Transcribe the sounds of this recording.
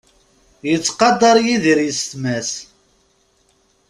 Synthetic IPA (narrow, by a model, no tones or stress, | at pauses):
jət͡sːqɑd̪ˤɑɾˤjiðiɾjəst̪mæs